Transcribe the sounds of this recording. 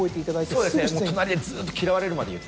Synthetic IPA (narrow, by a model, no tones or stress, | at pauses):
oet̪e̞it̪ad̪ait̪eod̪e̞sɨnemoːt̪onaɾʲid̪ezɨːt̪ːokʲiɾaβaɾe̞ɾɯ̟mad̪e̞jɯ̟t̪ː